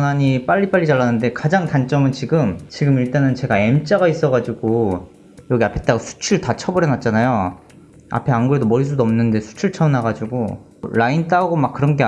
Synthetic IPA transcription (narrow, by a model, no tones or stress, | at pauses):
naɲip͈aʎːip͈aɭʎːit͡ɕaɭːanɯnde̞kad͡ʑaŋtant͡ɕ͈ʌmɯnt͡ɕiɡɯmt͡ɕiɡɯmiɭt͈enɯnt͡ɕe̞ɡae̞mt͡ɕ͈aɣais͈ʌɡad͡ʑiɡo | jʌɡiapʰet̚t͈aɡasʰu̥t͡ɕʰuɭtat͡ɕʰʌbʌɾjʌnat̚t͡ɕ͈anajo | a̰pʰe̞anɡuɾedomʌɾis̬ʰudoʌmnɯnde̞sʰu̥t͡ɕʰuɭt͡ɕʰʌnaɡad͡ʑuɡo | ɭaint͈aɡomak̚k͈ɯɾʌnɡe